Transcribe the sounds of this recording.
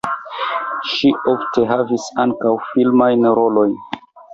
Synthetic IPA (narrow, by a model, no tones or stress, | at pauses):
ʃiʔo̞ftʰe̞ɦavisaŋkawfilmajnɾo̞lo̞jn